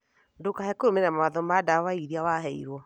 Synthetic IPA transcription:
ndokahɛkoɾomenamawaðɔmadawaiɾiawaɦɛḭɾwɔ

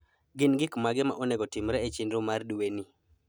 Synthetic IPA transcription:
ɡɪnɡɪkmaɡɪma̰ʔonɛɡɔtɪmɾɛet͡ʃɪndɾʊmarduweni

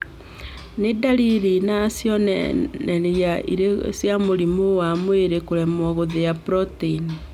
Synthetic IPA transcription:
nedaɾiɾinasjɔnnɛɾiaʔḭɾesjamoɾimowamweɾekoɾɛmɔɣoðejapɾɔteini

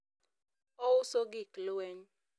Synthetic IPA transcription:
ɔwʊsoɡiklwɛɲ

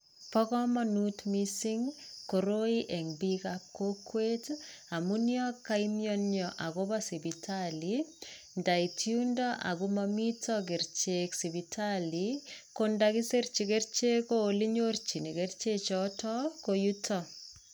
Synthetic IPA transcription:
pɔkɔmanutmisiŋkoɾoiʔeŋbikap̚kokwetamunjɔkːaimjɔnjɔʔakobasibitʰali | ndaitjundɔʔa̰kumamitʰɔk̬eɾt͡ʃeksibitʰalikondakiseɾt͡ʃikert͡ʃekoliɲort͡ʃinekeɾt͡ʃet͡ʃɔtɔkojutʰɔ

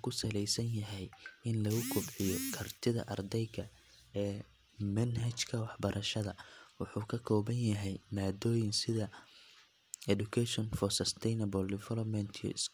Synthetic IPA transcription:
kʰʊsɐlɛjsɐnjɐɦɛjɪnlɐɣʊkʰɔbʕɪjɔkʰɐrt̪ʰɪðɐ̰ʔɐrd̪ɛjɡɐ | ɛː | mɐnɦɐt͡ʃkʰɐwɑħbɐɾʔɐʃɐðɐwʊħuːkʰɐkʰɔːβɐnjɐɦɛjmaːd̪ɔːjɪnsɪðɐ | ɛdʊkʰɛʃɔnfɔrsɐst̪ʰɛjnɐbɔldɛfɛlɔpmɛnt̪ʰijɔ̰s

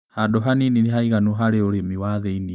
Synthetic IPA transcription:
hadoɦaninineɦaiɣanuɦaɾeoɾemiwaðɛini

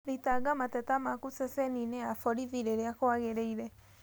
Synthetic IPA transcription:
ɾitaɡamatɛtamakusɛsenineafɔɾiviɾeɾeakoaɣeɾeiɾɛ

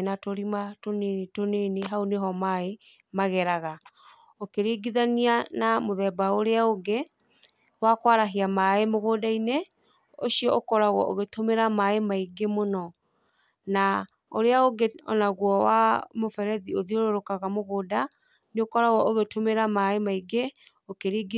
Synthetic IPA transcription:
natoɾimatonetoneneɦaoneɦɔmae | maɣɛɾaɣa | okeɾeːɡiðanianamoðɛːbaoɾeaoɡe | wakwaɾaɦiamaemoɣoːdaine | oʃiɔʔokɔɾaɣwɔ̰ʔoɣetomeɾamaemaiɡemonɔ | na | oɾeaoɡeɔ̰naɣwɔwa̰mofɛɾɛðioðioɾoɾokaɣamoɣoːda | neokɔɾaɣwɔʔoɣetomeɾamaemaiɡe | okeɾiːɡ

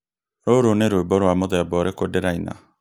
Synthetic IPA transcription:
ɾoɾoneɾoebɔɾwamoðɛbɔɾekodeɾaina̰

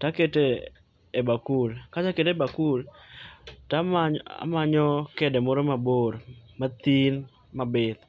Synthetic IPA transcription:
taketeː | bakulkat͡ʃaketebakul | tamaa̰maɲɔkedɛmɔɾɔmaboɾmat̪in | mabɪt̪

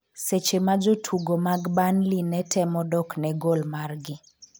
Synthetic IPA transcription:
set͡ʃemad͡ʒotʰuɡomaɡbanlinɛtʰɛmɔdɔknɛɡolmarɡɪ

